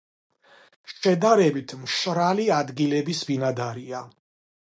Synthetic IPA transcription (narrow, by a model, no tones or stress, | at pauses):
ʃɛd̪aɾɛbit̪ʰmʃɾaliad̪ɡilɛbisbinad̪aɾia